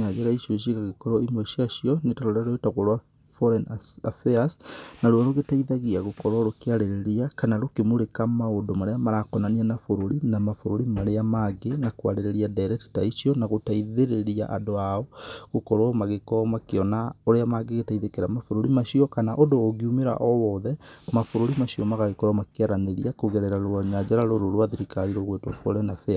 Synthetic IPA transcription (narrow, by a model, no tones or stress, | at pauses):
ad͡ʒɛɾaiʃiɔʃ̬iɣaɣekɔɾɔimwɛʃiaʃiɔnetaɾoɾeaɾoetaɣɔɾwa | fɔɾɛnafɛasnaɾwɔɾoɣetaiðaɣiaɣokɔɾwɔɾokeaɾeɾeɾiakanaɾokemuɾekamaodomaɾeamaɾakɔnanianafoɾoɾinamafoɾoɾimaɾeamaɡenakwa̰ɾeɾeɾiadaɾɛti̥taiʃiɔnaɣotaiðeɾeɾia̰ʔa̰doaɔɣokɔɾwmaɣekɔmakeɔnaoɾeamaɡeɣetaiðekeɾamafoɾoɾimaʃiɔkanaʔodoːɣiumeɾa̰ʔɔwɔðɛmafoɾoɾimaɕiɔmaɣaɣekɔɾamakeaɾaneɾiakoɣɛɾɛɾaɾoaɲad͡ʑaɾaɾoɾoɾwaðiɾikaɾiɾɔɣwetwɔfɔɾɛnafɛa